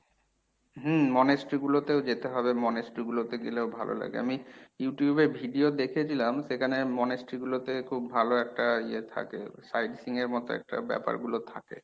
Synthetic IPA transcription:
ɦm̩mɔnesʈɾiɡulot̪eod͡ʑet̪eɦɔbemɔnesʈɾiɡulot̪eɡileobʱalʔo̰la̰ɡḛa̰mijuʈijubeɾbʱiɖiod̪ekʰet͡ɕʰilamʃekʰanemɔnesʈɾiɡulot̪ekʰubbʱaloɛk̚ʈaiet̪ʰa̰kḛsajɖsiŋeɾmɔt̪oɛ̰k̚ʈa̰bɛ̰pa̰ɾɡulot̪ʰa̰kḛ

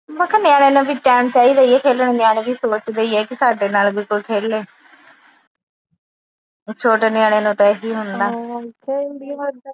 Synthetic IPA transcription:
bəkʰːanɪjaːɽ̃eːnũːbiːʈɛːmt͡ʃaːiːd̪aːiɛːkʰeːlənenɪjaːɽẽːʋiːsoːt͡ʃd̪eiːɛːkɪsaːɖeːnaːlbɪlkʊlkʰeːleː | t͡ʃʰoːʈaːnɪjaːɽ̃eːnũːt̪ɛːɦiːɦʊnd̪aːkebi

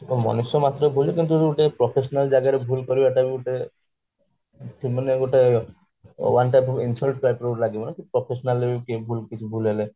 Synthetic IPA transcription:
mɔ̰nisɔmat̪ɾɔbʱulekint̪̬uuʈepɾɔpʰesɔnald͡ʒajɡaɾebʱulkɔɾibɛʈabiuʈe | ʈʰimaneɡoʈe | wanʈajpɔbinsɔlʈ̚pajpɾolaɡibɔnekipɾɔpʰesɔnalːebikebʱulkit͡ʃʰubʱulɦele

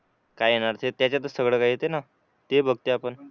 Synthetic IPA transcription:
kajenaɾt̪ʰet̪jat͡ɕjat̪̬əɾsəɡɭəːkajːet̪ena | t̪ebʱəɡt̪eapəɳ

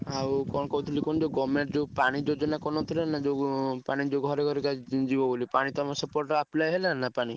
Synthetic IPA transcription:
awkɔnkɔut̪ʰilikɔñd͡ʒoɡɔmeʈd͡ʒopaɽ̃id͡ʒod͡ʒɔnakɔnɔt̪ʰilanad͡ʒopaɽ̃id͡ʒoɡʱɔɾeɡʱɔɾikad͡ʒibɔbolipaɽ̃it̪ɔmɔsɔpɔɾʈɔaplajɦelanapaɽ̃i

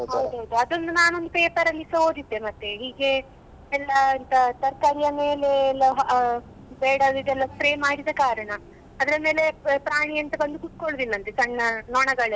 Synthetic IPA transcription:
ɦɐwd̪uɦɐwd̪uɐd̪o̞nd̪unaːno̞nd̪upeːpɐɾɐlːisɐɦoːd̪id̪ːemɐt̪ːeɦiːɡe̞ | ɛlːɐːnt̪ɐt̪ɐɾkɐɾijɐmeːlelːɐɦ | beːɽɐd̪id̪ɛlːɐspɾeːmaːɽid̪ɐkaːɾɐɳɐ | ɐd̪ɐɾɐme̞ːle̞pɾaːɳijɐnt̪ɐbɐnd̪ukut̪̚koɭd̪inːɐnt̪et͡ʃɐɳːɐnɔːɳɐɡɐɭe

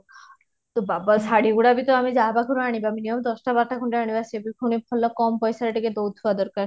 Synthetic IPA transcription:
t̪obabasaɽiɡuɽabit̪oamid͡ʑaɦbakʰuɾoaɽibaminiomd̪ɔsʈabaɾ̚ʈʰakʰuɳʈeaɽ̃ibasʰiebikʰunipʰɔlːɔkɔmpɔjsaɾeʈiked̪owd̪ʰʱuad̪ɔɾkaɾ

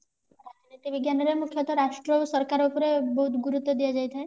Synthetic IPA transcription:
ɾad͡ʒuneʈibiɡjanɔɾemukʰjɔt̪ɔɾaʃʈɾɔsɔɾkaɾupɔɾebɔɦut̪ɡuɾut̪ːɔd̪ijad͡ʒajt̪ʰae

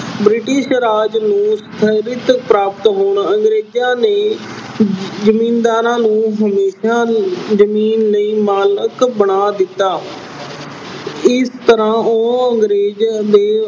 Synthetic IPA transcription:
bɾɪʈɪʃɾaːd͡ʒnũːst̪ʰəɾɪt̪əpɾaːpət̪ɦoːɳəŋɡɾeːd͡ʒjãːneː | zəmĩːnd̪aːɾãːnũːɦəmeːʃaːzəmiːnləiːmaːləkbəɽ̃aːd̪ɪt̪ːaː | ɪst̪əɾãːoːəŋɡɾeːd͡ʒd̪eː

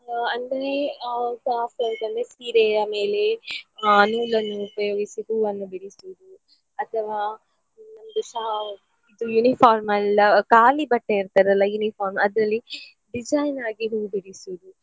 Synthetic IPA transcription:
ɐnd̪ɐɾek̪aːfoːd̪ɐnd̪esiːɾeɐme̞ːle̞ | ɐnuːlɐnːuːpɐjo̞ːɡisiduːɐnːubiɾisiʋud̪u | ɐt̪ʰɐʋaː | nɐmɐd̪usɐɦɐ | id̪ujunifʰaːɾmɐlɐkaːlibɐʈːeiɾt̪aːɾɐlːɐjunifaːɾmɐd̪ɾɐlːi | ɖid͡ʒajnaːɡiɦuːbiɽisuʋud̪u

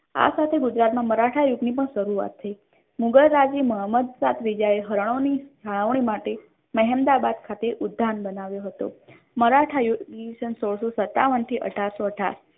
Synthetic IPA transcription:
a̰sat̪ʰeɡud͡ʒɾat̪mãməɾaʈʰajuɡnip̬əɳʃəɾuʋa̰t̪ːʰəi | muɡəlːad͡ʒiməɦəməd̪sat̪ʰʋid͡ʒaeɦəɾɳ̃onid͡ʒʱaɭ̃aʋɳ̃imaʈe | məɦɛmd̪abad̪̚kʰat̪eʔud̪ʱːanbənaʋjoɦət̪o̰ | məɾaʈʰajuɡisənsoɽsosət̪ːaʋənt̪ʰiʔə̰ʈʰaɾsoəʈʰa̰ɾ

